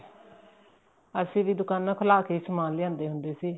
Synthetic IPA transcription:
əsĩːd̪iːd̪ʊkaːnːãːkʰəlaːkeiːsəmaːnleãːnd̪eːɦʊnd̪eːsiː

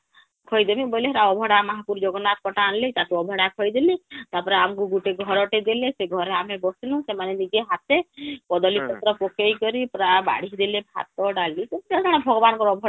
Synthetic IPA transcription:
kʰɔjd̪emĩbɔjleɦeɾaɔbʱɔɽamɔɦapuɾd͡ʒɔɡɔnat̪̚kɔʈaːnlet̪at̪uɔbʱɔɽakʰɔjd̪elit̪apɔɾeamkuɡuʈeɡʱɔɾɔʈed̪eleseɡʱɔɾeamebɔsilũsemaneniɡeɦat̪ekɔd̪ɔlikɔt̪ɾɔpɔkejkɔɾipɾaba̰ɽ̤id̪elebʱa̰t̪ɔɖalit̪ɔpɾɛk̪ʰaɽ̃ebʱɔɡɔbankɔɾɔbʱɔɽa

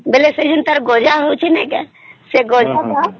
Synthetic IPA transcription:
belesed͡ʒunt̪əɾɡod͡ʒaɦot͡ʃʰinɛ̃kḛ | seɡod͡ʒaka

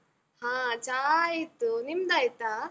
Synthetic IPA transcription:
hãt͡ʃajit̪unimd̪ajt̪a

